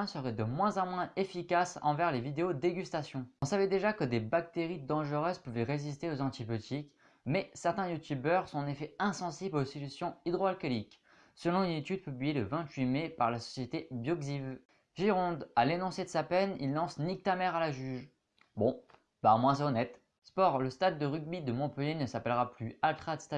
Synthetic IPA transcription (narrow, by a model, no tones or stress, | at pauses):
ɛ̃səʁɛd̪əmwɛ̃zɑ̃mwɛ̃efikasɑ̰̃vɛʁlevid̪eod̪eɡʲyst̪asjɔ̃ɔ̃savɛd̪eʒakəd̪ebak̚t̪eʁid̪ɑ̃ʒəʁøzpuvɛʁezis̬t̪eozɑ̃t̪ibjøt̪ik | mɛsɛʁt̪ɛ̃jut̪ybœʁsɔ̃nefɛɛ̃sɑ̃siblosilysjɔ̃id̪ʁɔalkɔlik | səlɔ̃ynet̪yd̪̚pyblijeləvɛ̃t̪ɥimepaʁlasɔ̥sjet̪ebjɔɡziv | ʒiʁɔ̃d̪alenɔ̃sed̪əsapɛnilːɑ̃snik̚t̪amɛʁalaʒyʒ | bɔ̃ | bamwɛ̃sɔnɛt̪ | spɔʁləst̪ad̪ːəʁyɡ̚bid̪əmɔ̃pəljenəsapɛlʁaplyalt̪χad̪əst̪a